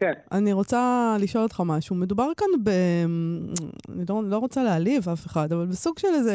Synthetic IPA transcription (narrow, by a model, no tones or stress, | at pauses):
kenʔaniʁo̞t͡saliʃo̞lot̪χamaʃume̞dubaʁkanbe | a̰nilolo̞ʁo̞t͡salealivafe̞χadavalbesuɡʃe̞leze